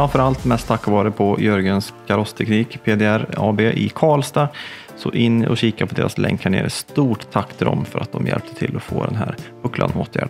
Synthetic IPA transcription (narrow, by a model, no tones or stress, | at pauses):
ɾanfœɾalt̪mɛst̪ʰːakːvɑːɾəpʰɔjœɾɡənskʰaɾɔst̪ʰɛkniːkpʰeːd̪eæɾɑːbeːʔɪkʰɑːlst̪a | sɔʔɪnːɔɕiːkapʰɔd̪eːɾaslɛŋkʰːaɳeːɾst̪uːʈt̪ʰːakːt̪ʰɪd̪ɔmfœɾat̪̚d̪ɔmjɛ̰lp̚t̪ʰət̪ʰɪlːɔfo̰ːd̪ɛnɦæːɾ | ɵkla̰noːt̪ʰjæ̰ːɖ